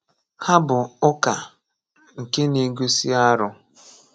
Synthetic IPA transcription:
ha˦bʊ˨ʊ˦ka˨ | ŋ̩˨ke˦ne˨ɡu˦si˦a˦ɾʊ˦

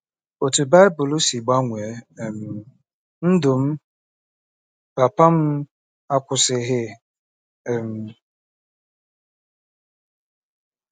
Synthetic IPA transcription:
o˨tu˨ba˦jbʊ˨lʊ˦si˨ɡ͡ba˦ŋʷɛ˨˦˨m˨ | n̩˦dʊ˨m̩˦ | pa˨pa˦m̩˦ | a˦kʷʊ˨sɪ˨ɦɪ˦˨ | ɛ˨m˨

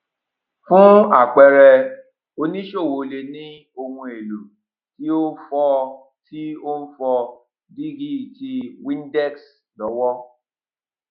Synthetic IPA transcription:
fũ˦a˦˨k͡pɛ˨˧ɾɛ˧ | o˦nĩ˦ʃo˦˨wo˨le˨nĩ˦ | o˧hũ˧e˨lu˨ | ti˦o˦fɔ˧ | tʰi˦o˦n̩˦fɔ˧ | di˦ɡi˦˨ti˧wĩ˦n˦dɛ˦˨ks | lɔ˨˦wɔ˦

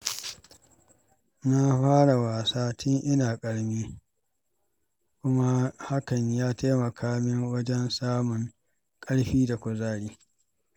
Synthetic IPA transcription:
na˦ɸaː˦ɽa˨waː˨saː˦tɪ˦ŋʔɪ˦naː˨kʼɐ˦ɽmiː˦ | kʷʊ˦ma˦ha˦kɐ˨ɲjaː˦taː˦mɐ˨kʰaː˦mɪ˦ŋwɐ˦d͡ʒɛ˦nsaː˦mʊ˨ŋ | kʼɐ˦ɽɸiː˦da˨kʷʊ˨zaː˦ɽiː˦

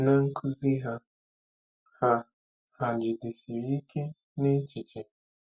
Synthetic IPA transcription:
na˦ŋ̩˦kʰu˦zi˦ɦa˦ | ha˦ | ha˨d͡ʒi˨de˨si˨ɾi˦ke˦ | ne˦t͡ʃi˨t͡ʃi˨

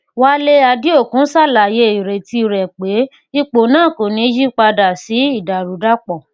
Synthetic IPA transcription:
wa˦le˦a˧di˦o˦˨kũ˨˦sa˦˨la˨je˧˦i˨ɾe˨ti˧˨ɾɛ˨k͡pe˨˦ | i˧k͡po˨nãː˦˨ko˨nĩ˨˦d͡ʒi˦k͡pa˧da˨si˨˦i˦˨da˨ɾu˨˦da˦k͡pɔ˨

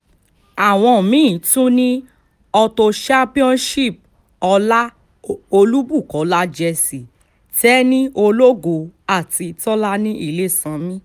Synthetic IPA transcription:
a˨w̃ɔ̃˧˨mĩ˨˦˨tũ˦nĩ˦ | ɔ˧to˧ʃa˦pi˦ɔ̃˦nʃi˦˨p̚ | ɔ˧la˦ | o˧lu˦bu˦˨kɔ˨˦la˦d͡ʒɛ˧si˨ | tɛ˦nĩ˦o˧lo˦ɡo˧a˦˨ti˧tɔ˦la˦nĩ˦ʔḭ˦˨le˦sã˧˦mĩ˦

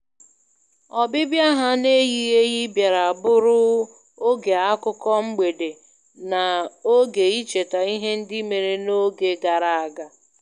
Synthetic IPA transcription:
ɔ˨bɪ˦bja˦ɦa˦ne˦ji˦ɣe˦ɣi˦bja˨ɾa˨a˨bʊ˦ɾʊ˦ | o˦ɡe˨a˦kʊ˦kɔ˦m̩˦ɡ͡be˨de˨ | na˨o˦ɡe˨i˦t͡ʃe˨ta˨i˦ɦe˦n̩˦dɪ˦me˨ɾe˦no˦ɡe˨ɡa˨ɾa˨a˨ɡa˦

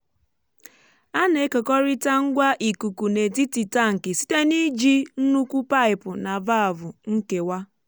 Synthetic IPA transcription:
a˦ne˨e˦kɔ˨kɔ˦ɾɪ˦ta˦ŋ̩˦ɡʷa˦ʔi˨ku˨ku˨ne˨ti˦ti˨ta˦ŋ̩˨kɪ˨si̥˦te˦ni˦d͡ʒi˦n̩˦nu˦kʷu˦pa˦ɪ˨pʊ˨na˨va˦a˨vʊ˨ŋ̩˦ke˨wa˦

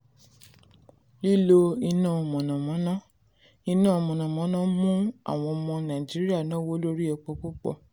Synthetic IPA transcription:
li˦lo˧i˧nãː˦˨mɔ̃˨nã˨mɔ̃˨˦nã˦ | i˧nãː˦˨mɔ̃˨nã˨mɔ̃˨˦nã˦mũ˦a̰˨w̃ɔ̃˧ɔ˧mɔ̃˧nã˨d͡ʒi˨˦ɾi˦a˦˨nã˦wo˦lo˦ɾi˦ɛ˧k͡pɔ˧k͡pu˦k͡pɔ̰˦˧

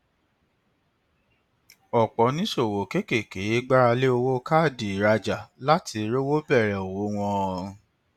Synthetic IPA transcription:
ɔ˨k͡pɔ˨˦nĩ˨˦so˦˨wo˨ke˦ke˦˨ke˨˦ɡ͡ba˦ɾa˧le˦o˧wo˦ka˦˨di˨ɾa˧d͡ʒa˨la˦tʰi˧ɾe˦wo˦bɛ˦˨ɾɛ˨o˨wo˨˦w̃ɔ̃˦˧ɾũ˧

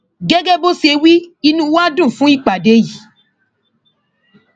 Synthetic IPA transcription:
ɡɛ˦ɡɛ˦bo˦se˧wi˦i˧nũ˦wa˦dũ˦˨fũ˦i˦˨k͡pa˨de˦ji˨

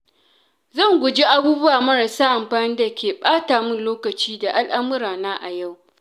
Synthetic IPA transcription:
zɐ˦˨ŋɡʷʊ˨d͡ʒi˦ʔa˦buː˦bʊ˦waː˨mɐ˦ɾa˨saː˦ʔa˨mɸaː˨nɪ˦da˨kʲeː˨ɓʼaː˦taː˨mʊ˦nloː˦kɐ˨t͡ʃiː˦da˨ʔa˦lʔa˦mʊ˦ɾaː˨naː˦ʔa˨ja˦˨w

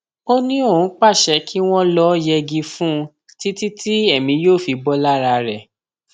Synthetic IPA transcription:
o˦nĩ˦õ˦˨˦k͡pa˦˨ʃɛ˧˦kʰi˦w̃ɔ̃˦lɔ˦jɛ˧ɡĩ˧fũ˦˧ | ti˦ti˦ti˦ɛ˦˨mĩ˨˦joː˦˨fi˨˦bɔ˦la˦˨ɾa˧ɾɛ˦˨

